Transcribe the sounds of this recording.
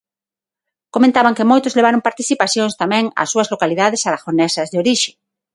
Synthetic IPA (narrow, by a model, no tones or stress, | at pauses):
komẽnt̪aβaŋkemojt̪ʊzleβ̞aɾoŋpaɾt̪iθipaθjoŋst̪amɛ̃ŋa̰sːuɐzlokaliðaðesaðaxonɛsɐzðeoɾiʃe̥